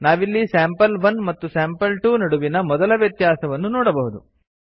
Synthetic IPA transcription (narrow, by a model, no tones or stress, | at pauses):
naːʋilːisaːmpɐlʋɐnmɐt̪ːusaːmpɐlʈuːnɐɽuʋinɐmɔd̪ɐlɐʋjɐt̪jaːsɐʋɐnːunɔːɽɐbɐɦud̪u